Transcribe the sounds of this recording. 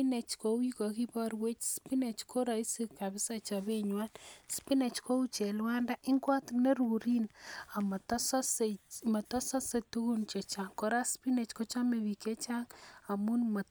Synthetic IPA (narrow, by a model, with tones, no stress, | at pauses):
ine˨t͡ʃko˨wi˦kɔ˨ki˦bɔ˦ɾwe˦t͡ʃspi˦ne˨t͡ʃkʰo˦ɾa˨i˦si˦ka˨bɪ˦sa˦t͡ʃa˨be˦ɲwa˦nspi˦ne˨t͡ʃko˦u˦t͡ʃe˨lwa˦nda˦ʔi˦ŋɡwa˦tne˦ɾuɾi˦na˨ma˨tɔ˦sɔ˦sema˨tɔ˦sɔ˦se˨tu˦ku˦nt͡ʃe˨t͡ʃa˨ŋko˨ɾa˦spi˦ne˨t͡ʃko˦t͡ʃa˦me˨bi˨ke˦t͡ʃa˦ŋa˨mu˦nmɔ˨